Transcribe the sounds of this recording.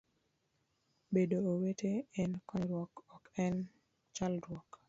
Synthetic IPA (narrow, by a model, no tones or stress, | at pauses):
bedooweteɛnkɔɾwɔkɔkɛn | t͡ʃalɾɔk